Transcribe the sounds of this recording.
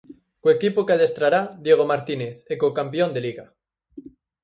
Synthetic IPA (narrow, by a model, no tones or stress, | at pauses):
kwekipokaðest̪ɾaɾad̪je̞ɣ̞omaɾt̪ineθekokampjo̞nd̪e̞liɣa